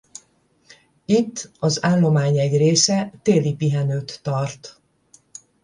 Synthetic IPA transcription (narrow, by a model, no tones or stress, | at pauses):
it̪ːɒzaːlːo̞maːɲɛɟreːsɛt̪eːlipiɦɛnøːt̪ːɒrt̪